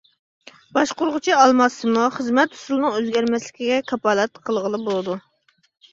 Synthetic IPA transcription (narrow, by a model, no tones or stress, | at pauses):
b̥ɑʃqoɾʁʊt͡ʃʰiɑlˠmɑsːɨmuχəzmɛt̪u̥sulˠnɨŋøzɡʲɛɾmɛslɪkʲiɡʲɛkʰɑpɑːlˠɛt̪qʰəlˠʁəlˠɨbolˠɨd̪u